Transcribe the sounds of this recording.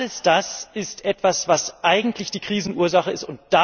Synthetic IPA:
ləsd̥asɪstʔɛtv̥asv̥asʔaɪɡŋ̩tlɪçd̥iːkʁ̥iːzn̩ʔuːɐzaχəɪstʊnt̚d̥a

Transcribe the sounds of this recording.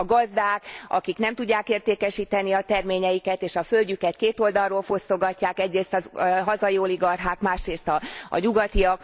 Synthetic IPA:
ɡɒzd̪aːkʔɒ̰kiknɛmt̪uɟːaːkeːrt̪eːkɛʃiːt̪ɛniɒt̪ɛrmeːɲɛjikɛt̪eːʃɒfølɟykɛt̪̚keːt̪o̞ld̪ɒrːoːlfo̞st̪o̞ɡɒcːaːkɛɟreːst̪ɒɦɒzɒjoːliɡɒrɦaːkmaːʃreːst̪ɒ̰ːɲuɡɒt̪iɒk

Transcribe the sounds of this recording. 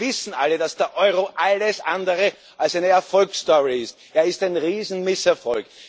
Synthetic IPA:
vɪsn̩alədasd̥eːɐʔɔʏʁoʔaləsʔãndəʁə | ʔalsæɪnəɛɐfɔlkstɔʁiɪst | ʔeːɐɪstaɪnʁiːzn̩mɪsɛɐfɔlk

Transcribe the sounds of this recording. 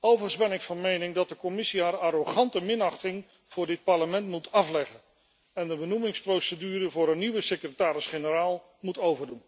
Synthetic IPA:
owvəəzbɛnɪkfɑnmejnɪŋdɑt̚dəkɔmɪsiɦaːɾaɾoχɑntəmɪnɑχtɪŋ | v̥ʊːɹdɪt̚pɑɹləmɛntmutʰɑflɛχən | ɛndəbənumɪŋsprowsədyːɾəvʊːɾənːiʋəsekrətaːɾɪsχenəraːlˠ | mutowvəɹdun

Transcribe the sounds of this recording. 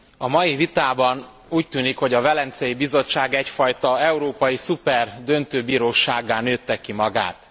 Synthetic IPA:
ɒmɒjivit̪aːbɒn | uːc̚t̪yːnikho̞ɟɒvɛlɛnt̪sɛjibizo̞t͡ʃːaːɡɛcfɒjt̪ɒɛuɾoːpɒjisupɛrd̪ø̞nt̪øːbiːɾoːʃaːɡaːnøːt̪ːɛkːimɒɡa̰ːt̪

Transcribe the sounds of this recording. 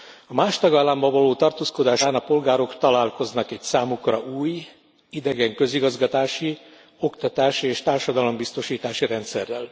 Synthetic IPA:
ɒmaːʃt̪ɒɡaːlːaːmbɒvɒloːt̪ɒrt̪oːsko̞d̪aːʃaːnɒpo̞lɡaːɾo̞kt̪ɒlaːlko̞znɒkɛcsaːmukrɒ̰ʔuːj | id̪ɛɡɛŋkø̞ziɡɒzɡɒt̪aːʃi | o̞kt̪ɒt̪aːʃieːʃt̪aːrʃɒd̪ɒlo̞mbist̪o̞ʃiːt̪aːʃiɾɛnt̪sɛrːɛl

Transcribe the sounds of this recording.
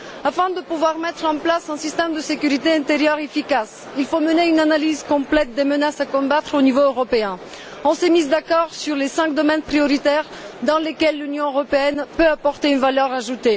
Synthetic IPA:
afɛ̃d̪əpuvwaʁmɛt̪χɑ̃plasɛ̃sist̪ɛmd̪əsekʲyʁit̪eɛ̃t̪eʁjœʁefikas | ilfoməneynanalizkɔ̃plɛt̪̚d̪emənasakɔ̃bat̪χonivoøʁɔpeɛ̃ | ɔ̃sɛmizd̪akɔʁsyʁlesɛ̃kd̪ɔmɛnpχijɔʁit̪ɛʁ | d̪ɑ̃lekʲɛlːynjɔ̃øʁɔpeɛnpøapɔʁt̪eynvalœʁaʒut̪e

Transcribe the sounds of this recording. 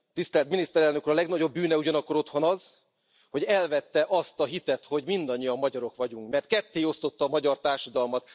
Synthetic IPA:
t̪ist̪ɛlt̪minist̪ɛɾɛlnø̞kuːɾɒlɛɡnɒɟo̞bːyːnɛuɟɒnɒkːo̞ɾo̞t̪ho̞nɒz | ho̞ɟɛlvɛt̪ːɛʔɒst̪ɒɦit̪ɛt̪ho̞ɟmind̪ɒɲːijɒmːɒɟɒɾo̞kʋɒɟuŋkmɛrt̪̚kɛt̪ːeːo̞st̪o̞t̪ːɒːmɒɟɒrt̪aːrʃɒd̪ɒlmɒt̪

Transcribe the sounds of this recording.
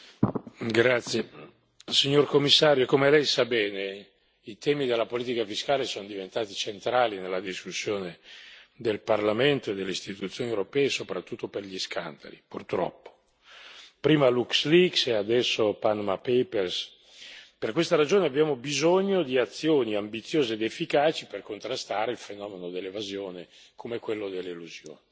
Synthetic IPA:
ɡɾat̪sːje | siɲːorkomːisːaːɾjoekomelɛjsabɛːne | it̪ʰɛːmid̪elːapoliːt̪ikafiskaːlesonod̪ivent̪aːt̪it͡ʃent̪ɾaːlinelːad̪iskusːjoːned̪elparlament̪oed̪ːelːeist̪it̪ut̪sːjoːniewɾopɛːesopɾat̪ːut̪ːoperʎiskʰa̰nd̪a̰lipurt̪ɾɔ̰pːo̥ | pɾiːmaluksliksɛad̪ɛsːopanmapɛpers | perkwest̪aɾad͡ʒoːneabːjaːmobizoɲːod̪iat̪sːjoːniambit̪sːjoːzeːd̪efːikaːt͡ʃiperkont̪ɾast̪aːɾeilfenɔːmenod̪elːevazjoːne | kʰomekwelːod̪elːeluzjo̰ːni

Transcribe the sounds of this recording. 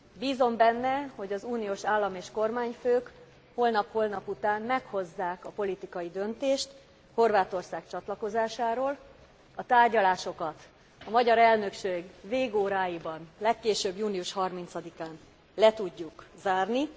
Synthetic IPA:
biːzo̞mbɛnːɛho̞ɟɒzuːnijoːʃaːlːɒmeːʃko̞rmaːɲføːk | holnɒphoːlnɒput̪aːmmɛkho̞zːaːkɒpo̞lit̪ikɒjid̪ø̞nt̪eːʃt̪ | ho̞rvaːt̪o̞rsaːkt͡ʃɒt̪lɒko̞zaːʃaːɾoːl | ɒt̪aːrɟɒlaːʃo̞kɒt̪ | ɒmɒɟɒɾɛlnø̞kʃeːɡveːɡoːɾaːjibɒnlɛkːeːʃøbjuːlijuʃhɒrmint̪sɒd̪ikaːn | lɛt̪uɟːukzaːrni

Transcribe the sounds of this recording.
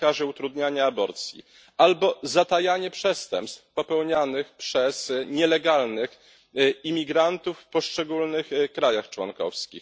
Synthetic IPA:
aʐɘut̪ɾud̪ɲaɲaːbɔɾt̪sʲjḭ | albɔzat̪ajaɲɛpʂɛst̪ɛmpst̪fpɔpɛwɲanɘxpʂɛz̥ɲɛlɛɡalnɘx | imʲiɡɾant̪ufːpɔʂt͡ʂɛɡulnɘxkɾajaxt͡ʂwɔ̰nkɔ̰fskʲḭx

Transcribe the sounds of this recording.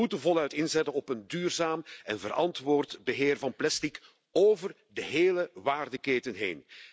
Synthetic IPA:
utənvɔlˠœɥtɪnzɛtənɔpəndyːrzaːmɛnvəɾɑ̰ntʋoːrtbəɦɪːrvɑnplɛstik | oːvər | dəɦeːləʋaːrdəkeːtənɦḛːn

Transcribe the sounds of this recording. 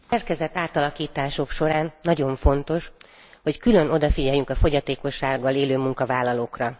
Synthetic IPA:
sɛrkɛzɛt̪ːaːt̪ɒlɒkiːt̪aːʃo̞kʃo̞ɾaːnːɒɟo̞ɱfo̞nt̪o̞ʃ | ho̞ckylø̞no̞d̪ɒfiɟɛjːyŋkɒfo̞ɟɒt̪eːko̞ʃːaːɡːɒleːløːmuŋkɒvaːlːɒloːkrɒ

